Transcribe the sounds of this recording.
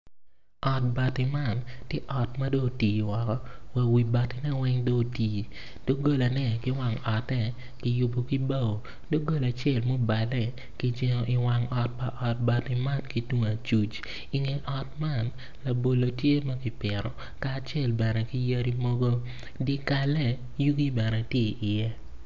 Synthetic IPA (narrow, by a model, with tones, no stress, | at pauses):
ɔ˨t̚ba˨tɪ˨ma˦˨ntje˦ʔɔ˨tmɐ˦do˦˨tiː˨wɔ˨kɔ˦wa˨wi˨ba˨tɪ˨nɛ˦wɛ˦ŋdo˦˨tiː˨ | d̥o˦ɡo˦la˨nɛ˦kɪ˦wa˨ŋɔ˨tɛ˦ | kɪ˨jʊ˨bo˨ki˦ba˦˨wo˨ | do˦ɡo˦la˨t͡ʃɛ˦˨lmo˦ba˨lɛ˦ | ki˦d͡ʒɪ˦ŋɔ˦ʔɪ˨wa˨ŋɔ˨t̚pa˨ʔɔ˨t̚ba˨tɪ˨ma˦tki˦tu˦ŋa˨t͡ʃu˨t͡ʃ | i˨ŋe˨ʔɔ˨t̚ma˦˨n | la˨bo˨lo˨tje˦mɐ˦kɪ˨pɪ˨ɾɔ˨ | kaː˦˨t͡ʃjɛ˦˨lbɛ˨nɛ˨ki˦ja˦ɾi˦mo˦ɡo˦ | dɪ˦ka˨lɛ˦˨ | ju˦ɡi˦bɛ˨nɛ˨tje˦˨i˨ʔɪ˨jɛ˦